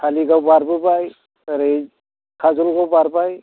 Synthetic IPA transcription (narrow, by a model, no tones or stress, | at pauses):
kʰaliɡawbaɾbɯbaj | aɾe | kʰazɔlɡawbaɾbaj